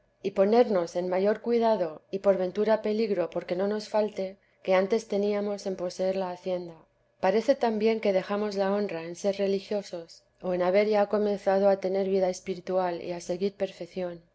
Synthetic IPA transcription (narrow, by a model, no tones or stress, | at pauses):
ipo̞ne̞ɾno̞se̞nmaʝo̞ɾkwiðaðo̞ipo̞ɾβe̞nt̪uɾape̞liɣɾopo̞ɾke̞no̞no̞sfalt̪e̞ | ke̞ant̪e̞st̪e̞niamo̞se̞mpo̞se̞eɾlaːθje̞nd̪a | paɾe̞θe̞t̪ambje̞ŋke̞ðe̞xamo̞zlao̞nrae̞nse̞ɾre̞lixjo̞so̞s | o̞enaβ̞e̞ɾʝako̞mẽ̞nθað̞o̞at̪e̞ne̞ɾβiðae̞spiɾit̪ualḭase̞ɣiɾpe̞ɾfe̞kθjo̞n